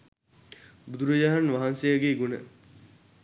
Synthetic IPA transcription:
bud̪uɾəd͡ʒaɦanʋaɦansejəɡeiɡunə̰

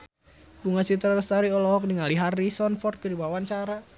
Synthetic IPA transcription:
buŋat͡ʃit̪ɾaɾəst̪aɾiɔlɔɦɔk̚niŋaliɦarisɔnfɔrt̪̚kiɾibawant͡ʃaɾa

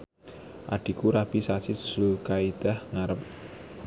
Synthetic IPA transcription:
ʔa̰ɖ̪̥i̤kuɾab̥isasi̥slukaid̪̥a̤hŋaɾəp̚

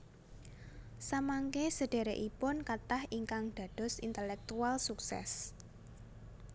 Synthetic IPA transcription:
samaŋkesəɖ̥e̤ɾeʔipʊnkat̪ahiŋkaŋd̪̥a̤d̪̥ɔ̤sint̪əlɛk̚t̪ualsuksɛ̰s

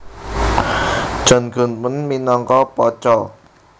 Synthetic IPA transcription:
ʒ̥ɔ̤nɡ̥ṳnwənminɔŋkɔpɔt͡ʃɔ

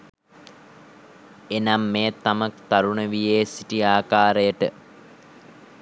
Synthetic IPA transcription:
enamːeːt̪amɐkt̪aɾuɳəʋijeːsiʈiaːkaːɾəjəʈə

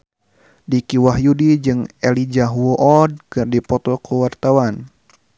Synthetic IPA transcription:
dikiwaɦjudid͡ʒɨŋɛlid͡ʒaɦuoʔɔd̚kɨrdipɔt̪ɔkuwart̪awan

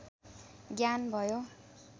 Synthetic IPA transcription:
ɡjanbʱʌjo

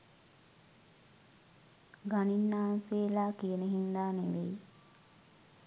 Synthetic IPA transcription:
ɡaninːaːnseːlaːkijənəɦind̪aːneʋej

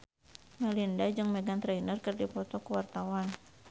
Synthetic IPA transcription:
malindad͡ʒɨŋmɛɡant̪ɾɛinərkɨrdipɔt̪ɔkuwart̪awan

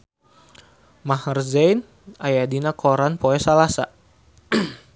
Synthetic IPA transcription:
mahrzɛjn | ajadinakʰɔɾanpoɛsalasa

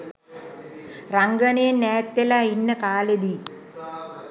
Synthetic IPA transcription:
raŋɡənejenːɛːt̪ːelainːəkaːled̪i

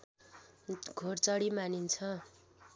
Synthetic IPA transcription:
ɡʱort͡sʌɽimanint͡sʰʌ

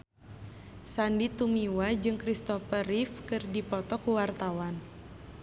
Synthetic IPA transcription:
sandit̪umiwad͡ʒɨŋkɾist̪ɔfəɾifkɨrdipɔt̪ɔkuwart̪awan

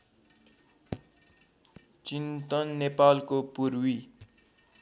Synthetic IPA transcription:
t͡sint̪ʌnːepalkopurwi

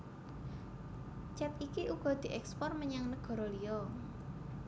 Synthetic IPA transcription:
t͡ʃɛt̪ikiʔuɡ̥ɔ̤d̪̥i̤ʔɛkspɔrməɲaŋnəɡ̥ɔ̤ɾɔliɔ

